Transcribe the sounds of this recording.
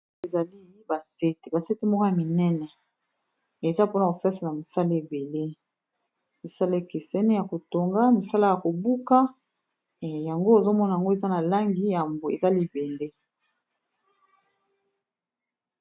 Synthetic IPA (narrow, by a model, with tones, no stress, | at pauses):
e˨za˨li˦ | ba˨se˦te˨ba˨se˦te˦mɔ˦kɔ˦a˨mi˨nɛ˦nɛ˨ | e˨za˦po˦na˨ko˨sa˦i˦sa˨na˨mi˨sa˦le˨be˨le˦ | mi˨sa˦la˦e˨ke˨sɛ˦ne˦ja˨ko˨to˨ŋɡa˦mi˨sa˦la˦ja˨ko˨bu˦ka˦˨ | ja˨ŋɡo˦e˨zo˦mɔ˦na˨ja˨ŋɡo˦e˨za˦na˨la˦ŋɡi˦ja˨mbo˨ḛ˨za˦li˦bɛ˨nde˦